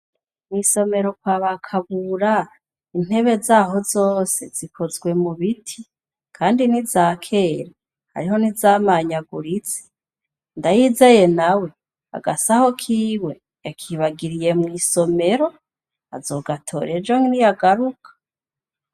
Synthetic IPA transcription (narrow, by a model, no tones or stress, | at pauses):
mŋiːso̞me̞ɾo̞kwaːβakʰaβuːɾa | in̥e̞βe̞zaːɦo̞zoːse̞z̥ikʰo̞zɡwe̞muβitʰi | kʰaːndinizaːkʰe̞ːɾe | ha̰ɾiɦo̞nizaːmaɲaɡuɾit͡se̥ | ndajiːzeje̞nawe̞ | a̰ɡa̰saho̞kʰiːwe̞ | jakʰiβaɡiɾije̞mŋiːsome̞ɾo̞ | a̰zo̞ːɡatʰo̞̰ːɾe̞d͡ʒoŋinijaɡaɾukʰḁ